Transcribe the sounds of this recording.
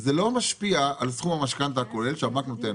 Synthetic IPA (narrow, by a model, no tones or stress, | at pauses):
zelo̞maʃpiaːlsχumamaʃkant̪akolelʃeamaknot̪e